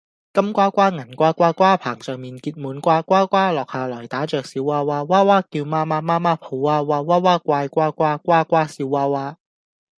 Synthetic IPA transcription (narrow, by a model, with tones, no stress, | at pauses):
kɐ˥mkʷaː˥kʷaː˥ŋɐ˨˩nkʷaː˥kʷaː˥kʷaː˥pʰaː˨˩ŋsœː˨ŋmiː˨˩nkiː˧t̚muː˨˥nkʷaː˥kʷwʷaː˥kʷaː˥lɔː˨k̚haː˨˧lɔː˨˩jt̪aː˨˥t͡ʃœː˨k̚siː˨˥wːaː˥waː˥waː˥waː˥kiː˧wmaː˥maː˥maː˥maː˥pʰo˨˧˥wwaː˥waː˥waː˥waː˥kʷaː˧jkʷaː˥kʷaː˥kʷaː˥kʷaː˥siː˨˧wːaː˥waː˥